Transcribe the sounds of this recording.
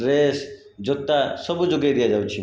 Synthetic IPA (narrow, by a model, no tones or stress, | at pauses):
ɾes | d͡ʒɔt̪ːasɔbud͡ʒoɡed̪ijad͡ʒawt͡ʃʰi